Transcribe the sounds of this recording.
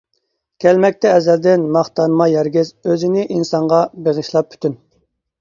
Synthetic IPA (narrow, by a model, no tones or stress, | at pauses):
kʲʰɛlmɛk̚ʲt̪ɛːzæld̪ɪnmɑχt̪ɑnmɑjɛɾɡʲɪzøzɪnɪʔinsɑɴʁɑbeʁəʃlˠɑp̚ːʰy̥t̪ʰyn